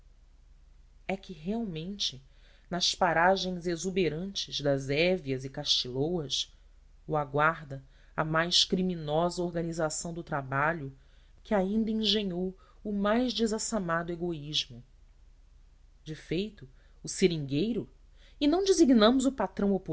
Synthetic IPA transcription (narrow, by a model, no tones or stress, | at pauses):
ɛkɪɦeawmẽnt͡ʃɪ | nɐʃpaɾaʒẽj̃zezubeɾɐ̃nt͡ʃɪzd̪ɐzɛviɐzɪkaʃt͡ʃilowɐs | uaɡwaɾd̪ɐ | ɐmajʃkɾimĩnɔzɐoɾɡɐnizasɐ̃w̃d̪ʊt̪ɾabaʎʊ | kʰɪaĩnd̪ɐĩŋʒẽɲow | ʊmajʒd͡ʒɪzasamad̪ʊeɡoiʒmʊ | d͡ʒɪfejt̪ʊː | seɾĩŋɡejɾʊ | ɪnɐ̃w̃d͡ʒɪziɡnɐ̃mʊzʊpat̪ɾɐ̃w̃opu